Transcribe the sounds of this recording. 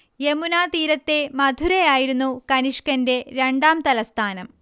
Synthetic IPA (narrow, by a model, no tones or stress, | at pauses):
je̞munaːt̪iːɾɐt̪ːe̞mɐd̪ʱuɾejaːjiɾunːukɐniʂkɐnde̞ɾe̞ɳɖaːmt̪ɐlɐst̪ʰaːnɐm